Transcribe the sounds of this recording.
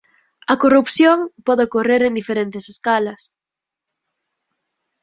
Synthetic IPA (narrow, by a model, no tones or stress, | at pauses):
ɐkorupθjoŋpɔðɪokoreɾend̪ifeɾent̪ɪseskalɐs